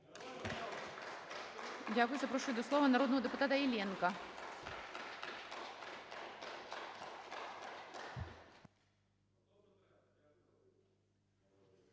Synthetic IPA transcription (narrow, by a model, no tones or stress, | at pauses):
dʲakʊjʊzɐpɾoʂujd̪oslˠovənɐɾod̪nəvəd̪ɨpʊt̪at̪ɐɪlʲɛnkɐ